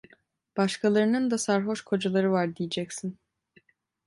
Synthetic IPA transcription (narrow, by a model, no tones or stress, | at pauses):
b̥aʃkʰalˠaɾɯnɯnd̪asaɾɦo̞ʃkʰo̞d͡ʒalˠaɾɯvaɾd̪ijed͡ʒɛcsin